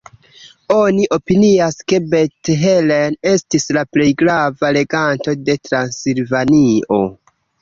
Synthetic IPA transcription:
o̞niʔo̞piniaske̞be̞tɦelene̞stislaple̞jɡɾavale̞ɡanto̞de̞tɾansilvanio̞̰

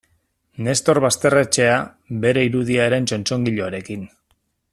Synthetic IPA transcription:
ne̞st̪o̞ɾβast̪e̞re̞t͡ʃe̞a | βe̞ɾe̞iɾuð̞iaeɾe̞nt͡ʃo̞nt͡ʃo̞ŋɡiʎo̞aɾe̞kin

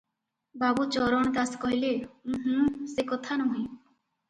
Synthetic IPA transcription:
babut͡ɕɔɾɔɳk̪askɔɦileũɦ̩sekot̪ʰanɔɦĩ

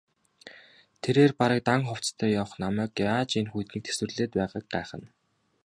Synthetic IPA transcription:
t̪ʰeɾeːrpaɾə̆k̚t̪aŋχʊw̥t͡st̪ʰœːjaw̆χnamæːkjaːt͡ɕinxujt̪niːk̚t̪ʰe̥swɘ̆rɮeːt̪̚pæːʁə̆ːk̚ɢæːχə̆n

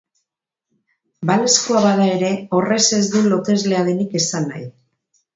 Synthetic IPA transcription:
baleskoaβaðae̞ɾe̞o̞re̞se̞zðenlo̞t̪e̞zle̞aðe̞nike̞sanːa̰j

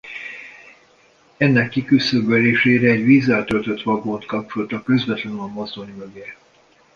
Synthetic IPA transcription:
ɛnːɛkːikysøbɛleːʃeːɾɛːɟvizːɛlt̪ølt̪ø̞t̪ʋɒɡont̪kɒp̚t͡ʃolt̪ɒkøzvɛt̪lɛnɒmːozd̪oɲmøɡɛ

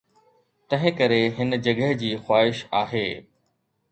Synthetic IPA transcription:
t̪ɐ̃ɦɪ̃kɐɾeɦɪnd͡ʑɐɡəɦd͡ʑiːxwaːɦɪʃaːɦeː

